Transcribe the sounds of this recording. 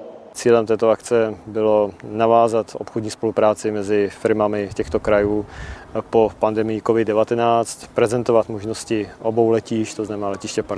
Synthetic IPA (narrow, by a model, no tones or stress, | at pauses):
t͡siːlɛmt̪ɛːt̪oakt͡sɛbɪlo̞navaːzat̪ʔo̰pxodɲiːspo̞lupɾaːt͡sɪmɛzɪfɪɾmamɪcɛxt̪o̞kɾajuːpo̞pandɛmɪjɪkovɪddɛvat̪ɛnaːt͡st̪pɾɛzɛnt̪o̞vat̪moʒnoscɪʔobowlɛciʃct̪oznamɛnaːlɛcɪʃcɛp